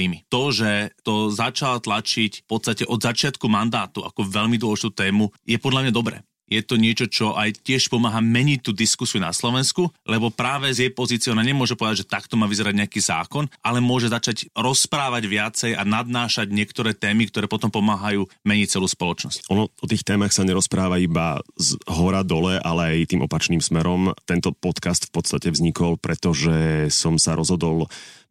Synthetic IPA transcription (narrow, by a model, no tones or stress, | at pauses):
imit̪ɔʒɛt̪ɔzat͡ʃalt̪lat͡ʃicfpɔt̪st̪acɛʔɔd̪zat͡ʃɪat̪kumand̪aːt̪ua̰kɔʋɛʎmid̪wɔlɛʒit̪uːt̪ɛːmujɛpɔd̪ʎamɲad̪ɔbɾɛ̰ː | jɛt̪ɔɲɪɛt͡ʃɔt͡ʃɔʔajcɪɛʃpɔmaːɦaːmɛɲic̚t̪ːuːd̪iskusiuna̰slɔʋɛnskulɛbɔpɾaːʋɛzjɛjpɔzitt͡sɪɔnaɲɛmʊɔʒɛpɔʋɛd̪aɟʒɛt̪akt̪ɔmaːʋizɛɾaɟɲɛakiːza̰ːkɔnʔalɛmʊɔʒɛzat͡ʃaɟɾɔspɾaːʋaɟʋɪat͡sɛjanad̪̚naːʃaɟɲɪɛkt̪ɔɾɛːt̪ɛːmikt̪ɔɾɛːpɔt̪ɔmpɔmaːɦajuːmɛɲic̚t͡sɛluːspɔlɔt͡ʃnɔscʔɔnɔɔt̪iːxt̪ɛːmaxsaɲɛɾɔspɾaːʋaiba̰zɦɔɾad̪ɔlɛʔa̰lɛajt̪iːmʔɔpat͡ʃniːmsmɛɾɔmt̪ɛnt̪ɔpɔt̪kast̪fpɔt̪st̪acɛvzɲikɔlpɾɛt̪ɔʒɛsɔmsaɾɔzɦɔd̪ɔl